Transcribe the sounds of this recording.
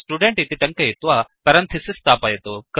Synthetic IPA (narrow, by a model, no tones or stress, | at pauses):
sʈuːɖẽɳʈit̪ʰit̪ɐ̃ŋkɐit̪ʋapɐɾɐnt̪ʰisist̪aːpajet̪ok